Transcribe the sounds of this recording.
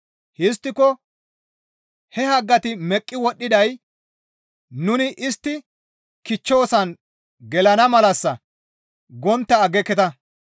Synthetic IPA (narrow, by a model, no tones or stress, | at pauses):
hɪs̬t̪ːɪkɔ | hɛhɐɡːɐt̪ɪmɛkʼːɪwɔɗːɪd̪ɐj | nʊnɪʔɪst̪ːɪ | kɪt͡ʃːo̞ːsɐn | ɡɛlɐnɐmɐlɐsːɐ | ɡɔnt̪ːɐːɡɛkːɛt̪ɐ